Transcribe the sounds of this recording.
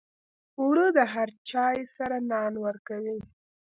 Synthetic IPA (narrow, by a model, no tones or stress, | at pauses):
uɽəd̪əɦaɾt͡ʃɑjsaɾanɑnwəɾkawi